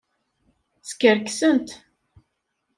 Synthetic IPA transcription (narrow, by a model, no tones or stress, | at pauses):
skəɾksənt̪